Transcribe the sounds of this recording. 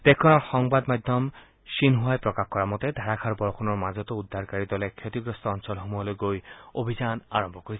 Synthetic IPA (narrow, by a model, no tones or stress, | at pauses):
d̪̥ekʰːonaɾʃɔŋbad̪mad̪ʱːom | ʃinɦoaepɾokakkɔɾamɔt̪ed̪ʱaɾakʰaɾbɔɾokʰonoɾmad͡ʑot̪oud̪ʱːaɾkaɾid̪ɔlekʰot̪iɡɾost̪oɔnʃɔlɦomuɦoleɡojobʱid͡ʑanaɾombʱokoɾi